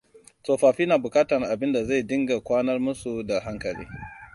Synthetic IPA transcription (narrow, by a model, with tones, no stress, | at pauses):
soː˨ɸaː˨ɸiː˦naː˨bʊ˨kaː˦tɐ˨ŋʔa˨bɪ˦nda˨za˦˨dɪ˦ŋɡa˨kʷaː˦nɐ˦rmʊ˦su˨da˨ɦa˦ŋkɐ˨lḭː˦